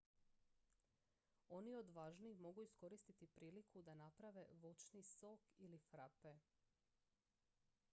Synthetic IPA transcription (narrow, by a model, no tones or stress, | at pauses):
o̞nio̞d̪ʋaːʒniːxmo̞ɡuisko̞ɾist̪it̪ipɾiːlikʰud̪anapɾaʋe̞ʋot͡ʃnisokilifɾape